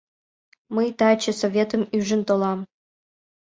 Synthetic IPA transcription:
məjt̪ɑt͡ɕə̆sovʲet̪ə̆myʒə̆nt̪olɑm

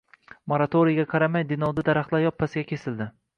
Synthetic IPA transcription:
moɾat̪ʰoɾɪjɡʲaqʰɑɾamajd̪ɪnɒwd̪ad̪aɾaχt̪lˠajɒpʰːasɪɡʲakʲʰesɪld̪ɪ

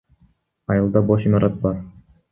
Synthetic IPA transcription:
ɑjɯlˠd̪ɑboʃimɑɾʔɑt̪̚bɑɾ

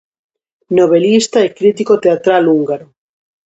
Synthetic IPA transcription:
noβ̞elist̪aekɾit̪ikot̪eat̪ɾaluŋɡaɾo

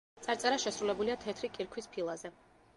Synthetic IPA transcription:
t̪sʼaɾt̪sʼɛɾaʃɛsɾulɛbuliat̪ʰɛt̪ʰɾikʼiɾkʰwispʰilˠazɛ

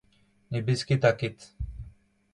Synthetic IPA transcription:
nibiskit̪akit̪

